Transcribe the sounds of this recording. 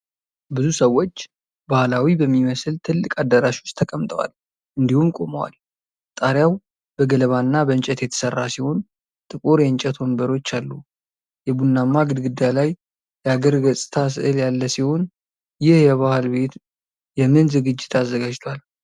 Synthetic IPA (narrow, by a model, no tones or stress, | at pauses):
bɨzusəwːo̞t͡ʃː | bahlawibəmːiməslt̪ʰɨlːɨkʼad̪ːəɾaʃwʊst̪ʰəkʼəmt̪ʼəwa̰l | ʔɨnd̪ihunkʼo̞məwa̰l | t̪ʼaɾjaw | b̥əɡələβanːabənt͡ʃʼɛt̪jɛt̪ʰə̥sərːasiho̞n | t̪ʼɨkʼuɾjɛnt͡ʃʼɛt̪ʰwonbəɾo̞t͡ʃːalːu | jɛbunːamːaɡɨd̪ɡɨd̪ːjalaj | jɛaɡəɾɡəsʼɨt̪ʰas̬ɨ̰ʔɨljalːəsiho̞n | jɪhjɛβahlbe̞t̪ | jɛmːɨnzɨɡɨd͡ʒːɪt̪ʰazːəɡad͡ʒt̪ʰwal